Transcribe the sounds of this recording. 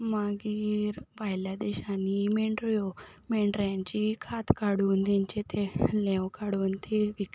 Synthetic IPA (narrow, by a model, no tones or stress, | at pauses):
maɡiːɾbʱajljad̪ɛɕanimeɳʈɾjo | meɳɖɾjãɲt͡ɕikʰat̪kaɽuːnt̪ãɲt͡ɕet̪ʰelɛ̃wkaɽuːnt̪ʰeʋik